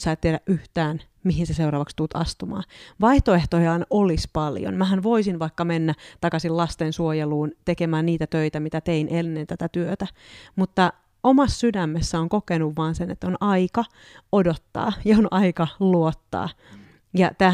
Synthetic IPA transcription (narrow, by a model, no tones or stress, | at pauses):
sɑːt̪t̪ːieɾæʔʔyht̪æːn | miɦinseseuɾɑːʋɑkst̪ut̪ɑ̰st̪umɑ̰ːʋɑiht̪oeht̪ojɑɑnolispɑljo̰nmæɦænʋoisinʋɑikːɑmenːæt̪ɑkɑsillɑst̪ensuojeluːnt̪ekemæːnniːt̪æt̪øit̪æmit̪æt̪einʔenːent̪æt̪æt̪yøt̪æmut̪ːɑ | omɑssydæmːesːæoŋkokenuʋːɑːnsenḛt̪ːonɑikɑ | odot̪ːɑ̰ːjɑonɑikɑluot̪ːɑ̰ː | jɑt̪æ